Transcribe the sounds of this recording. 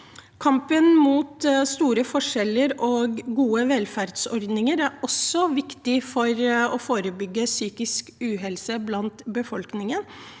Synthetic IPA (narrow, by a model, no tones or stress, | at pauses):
kʰɑmpənmuːt̪st̪uːɾəfɔʂɛlːəɾoːɡɡuːəʋɛlfæɾd̪sɔɾd̪nɪŋəɾæɾɔsːɔʋɪkt̪ɪfɔɾɔfoːɾəbʏɡːəsyːkɪskʉːɦɛlsəblɑnt̪bəfɔlknɪŋən